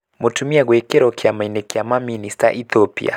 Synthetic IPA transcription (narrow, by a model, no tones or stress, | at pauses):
motumiaɣwɛkɛɾɔkjamainɛkjamaminista̰ʔiθɔpḭa̰